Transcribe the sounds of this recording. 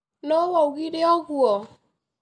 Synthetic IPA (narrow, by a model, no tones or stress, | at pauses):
nowɔɡiɾeɔɡʷuɔ